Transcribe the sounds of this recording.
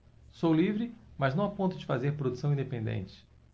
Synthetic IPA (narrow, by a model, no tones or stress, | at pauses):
sowlivɾɪmɐznɐ̃w̃apõnt̪ʊd͡ʒɪfazeɾpɾod̪usɐ̃w̃ĩd̪epẽnd̪ḛ̃nt͡ʃɪ̥